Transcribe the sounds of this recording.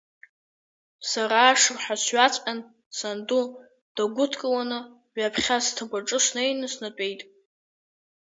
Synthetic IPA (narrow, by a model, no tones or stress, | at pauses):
saɾaːʂɨrħʷasɥat͡sʷʼqʼan | sandu | d̥aɡʷʊtʰkʼalanɨ | ʕapʰχʲastʰaɡʷaʈ͡ʂʼɨʂnejnɨsnat͡pʼe̞jtʼ